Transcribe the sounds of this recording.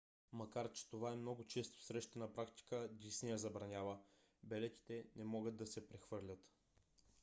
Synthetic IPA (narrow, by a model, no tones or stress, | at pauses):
mɐkaɾt͡ʃɛ̥t̪ovaɛmnɔɡʊt͡ʃɛst̪o̥sɾɛʃt̪ɛnɐpɾakt̪i̥kəd̪isnijəzɐbɾɐnʲavə | bɛlɛt̪i̥t̪ɛnɛmɔɡəd̪̚d̪ɐsɛpɾɛxvɤɾlʲət̪